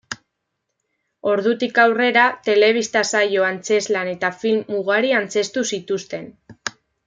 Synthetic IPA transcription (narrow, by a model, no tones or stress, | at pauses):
o̞ɾðut̪ikawre̞ɾat̪e̞le̞β̞ist̪asajo̞ant͡se̞zlane̞t̪afilmːuɣaɾiant͡se̞st̪usit̪ust̪e̞n